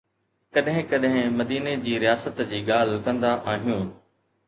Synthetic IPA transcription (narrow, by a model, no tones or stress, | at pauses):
kɐɗɦɪ̃kɐɗɦɪ̃mɐd̪iːned͡ʑiːɾɪjaːsət̪d͡ʑiːɠaːl̤kɐ̃nd̪aʔaːɦijũː